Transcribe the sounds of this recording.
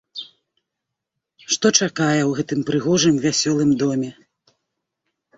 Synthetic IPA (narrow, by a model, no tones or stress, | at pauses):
ʂt̪ɔt͡ʂakajɛwɣɛt̪ɨmpɾɨɣɔʐɨmvʲasʲɔlˠɨmd̪ɔmʲɛ